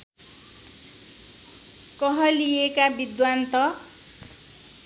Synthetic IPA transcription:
kʌɦʌlijekabid̪want̪ʌ

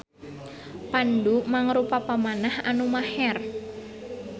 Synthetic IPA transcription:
pandumaŋɾupapamanahanumahɛr

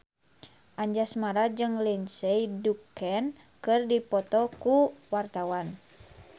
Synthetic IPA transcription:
ʔaɲd͡ʒasmaɾad͡ʒɨŋlɛnsɛjdukɛn | kɨrdipɔt̪ɔkuwart̪awan

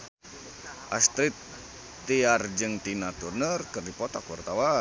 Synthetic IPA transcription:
ʔast̪ɾit̪ː | iard͡ʒɨŋt̪inat̪urnərkɨrdipɔt̪akwərt̪awa

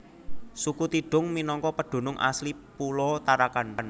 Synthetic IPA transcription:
sukut̪iɖ̥ʊ̤ŋminɔŋkɔpəɖ̪̥o̤nʊŋʔa̰slipulɔt̪aɾakanan

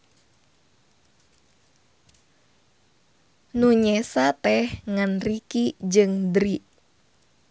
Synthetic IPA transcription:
nuɲɛsat̪ɛhŋanrikid͡ʒɨŋdɾiʔ

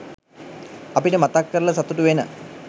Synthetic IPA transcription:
ɐpiʈəmat̪akːəɾɭɐsɐt̪uʈuʋenə̰

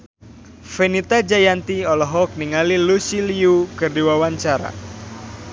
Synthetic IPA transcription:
fenit̪ad͡ʒajant̪iɔlɔɦɔk̚niŋalilusiliukɨrdiwawaɲt͡ʃaɾa̰

